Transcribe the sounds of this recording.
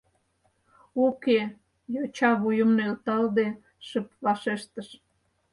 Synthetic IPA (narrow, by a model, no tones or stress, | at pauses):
uke | jot͡ɕɑβujə̆mnelt̪ɑld̪e | ʃəpβɑʃeʃt̪əʃ